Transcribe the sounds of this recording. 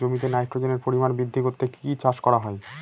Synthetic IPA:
omit̪̬enajʈːɾod͡ʑeneɾpoɾimanbɾid̪ʱːiɡot̪ːekit͡ɕaʃkɔɾaɦɔe

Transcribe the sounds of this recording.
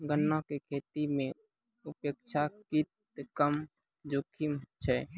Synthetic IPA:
ɡənːɔ̃kekʰet̪imẽ | upekt͡ʃʰakit̪ | kəm | d͡ʒokʰimt͡ʃʰɛ

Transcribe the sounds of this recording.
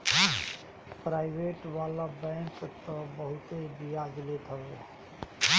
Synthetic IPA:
pɾaːɪbeʈʋalabɛ̃ŋkt̪ɔbəɦʊt̪ebijad͡ʒlet̪əe

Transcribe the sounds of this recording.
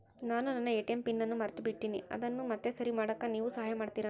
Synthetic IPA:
naːnunɐnːɐeʈempinːɐnːumɐɾt̪ubiʈːiniɐ̰d̪ɐnːumɐt̪ːesɐɾimaːɽɐkːaniːʋusɐɦaːjɐmaːɖt̪iːɾaː

